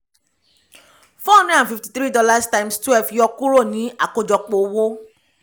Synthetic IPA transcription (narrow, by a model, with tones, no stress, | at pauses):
fɔ̃˦˨˦nĩ˦ã˨fi˧fti̥˨˧t̪ɾi˦dɔ˧la˦stã˧mstwɛ˦˨fjɔ˧ku˦ɾo˦˨nĩ˨˦a˦˨ko˧d͡ʒɔ˧k͡po˨wo˦